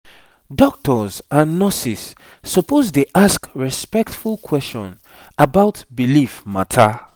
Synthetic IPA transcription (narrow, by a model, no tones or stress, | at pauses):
dɔk̚tɔzãnːɔsisː | ɔpʰozdeʔaskɹispɛktfulˠkʰwɛst͡ʃɔ̰̃n | abaʊtbilifmatʰa